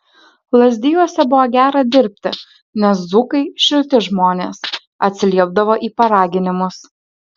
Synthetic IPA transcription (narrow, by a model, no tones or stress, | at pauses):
lˠɐzʲd̪ʲɪjuɔsʲɛbʊʋoːɡʲæːɾɐd̪ʲɪɾʲpʲt̪ʲɪ̰ | nʲɛszʊkɐɪʃʲɪlʲt̪ʲɪʒmoːnʲeːs | ɐt̪ʲsʲɪlʲiɛb̚d̪ɐʋoːʔiːpɐɾɑːɡʲɪnʲɪmʊs